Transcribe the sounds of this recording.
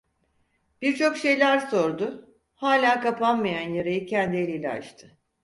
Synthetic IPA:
b̥iɾt͡ʃʰo̞kʃe̞jlʲæɾso̞ɾd̪ʊ | haːlʲaːkapʰanmajanjaɾajɯcʰɛnd̪ielʲilʲɛ̰a̰ʃt̪ʰɯ̥

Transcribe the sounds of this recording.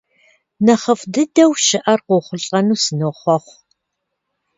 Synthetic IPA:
nɐχəfdɨdɐwʃɪʔɐrqoχʷʊɬʼɐnuːsɨnoχʷɔχʷ

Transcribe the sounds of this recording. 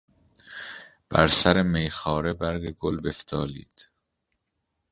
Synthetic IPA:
b̥æ̰ɾsæɾemejxɒːɾebæɾɡeɡolbeft̪ʰɒːlḭːd̪̥

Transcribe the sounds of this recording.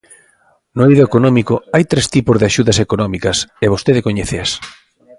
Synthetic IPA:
nʊejðoekonɔmikoajt̪ɾest̪ipozðeaʃuðɐsekonɔmikɐseβost̪eðekoɲeθes

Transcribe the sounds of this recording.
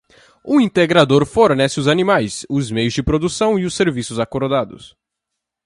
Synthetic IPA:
uĩnt̪eɡɾad̪oɾfoɾnɛsɪʊzanimajsʊzmejʊzd͡ʒɪpɾod̪usɐ̃w̃iʊseɾvisʊzakoɾd̪ad̪ʊ̰s

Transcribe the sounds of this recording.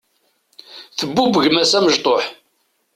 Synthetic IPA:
θəbːubəʝmæsæməʒt̪ˤoħ

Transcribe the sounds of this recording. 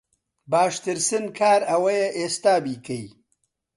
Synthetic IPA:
baːʃt̪ɪɾsɪnkʰaːɾɐwɐjeʔest̪aːbiːkɐj

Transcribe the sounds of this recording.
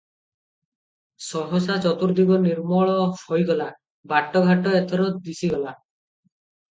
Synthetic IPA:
sɔɦɔsat͡ʃɔt̪uɾd̪iɡɔniɾmɔɭɔhɔjɡɔla | baʈːɔɡʱaʈɔet̪ʰɔɾɔd̪isiɡɔla

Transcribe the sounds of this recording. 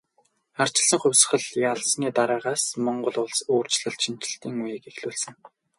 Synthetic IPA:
ar̥t͡ɕɪ̆ɮsə̆ŋχʊ̟wʲs̆χə̆ɮjaɮsniːt̪aɾæːʁaːsmɔɴɢɞ̆ɮʊɮsoːr̥t͡ɕɮə̆ɮʃin̥t͡ɕɪ̆ɬt̪iːŋujikexɮuːɮsɘ̆ŋ

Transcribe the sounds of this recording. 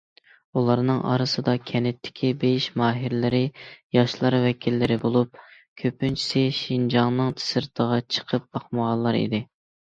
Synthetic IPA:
ulˠɑɾnɨŋʔɑ̰ɾɨsɨd̪ɑkʲʰɛnɪt̪ʰːɪ̥kʲʰibejiʃmɑːɦiɾlɪɾɪjɑʃlˠɑɾwɛkʲʰilːɪɾɪbolˠup̚ | kʲʰøpːynt͡ʃʰi̥sɪʃind͡ʒɑŋnɨŋt̪ʰɪ̥sɨɾt̪ʰəʁɑt͡ʃʰə̥qʰəp̚bɑχməʁɑnlˠɑɾḭd̪ɪ

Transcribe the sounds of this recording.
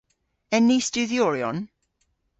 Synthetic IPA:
ɛnistuðjoːɾjɔ̰n

